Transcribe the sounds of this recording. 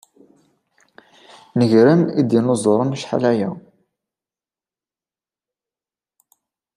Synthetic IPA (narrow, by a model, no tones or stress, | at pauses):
nəʝɾəmid̪jənozˤɾˤɑnʃħa̰læjæ